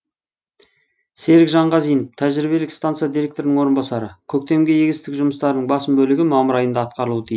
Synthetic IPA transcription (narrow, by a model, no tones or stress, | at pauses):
se̞ɾɪkʒɑɴʁɑzijməft̪ʰæʒɾibe̞lɪkst̪ant̪sɨjad̪iɾe̞k̚t̪o̞ɾɪnəŋwo̞ɾənbɑsɑɾəkʲʰɵk̚t̪e̞mɡʲejeɡʲɪst̪ɪkʒʊməst̪ɑɾənəɴbɑsəmbɵlɪɡʲɪmɑməɾɑjənd̪ɑːt̪̚qɑɾəlˠuwət̪ʰij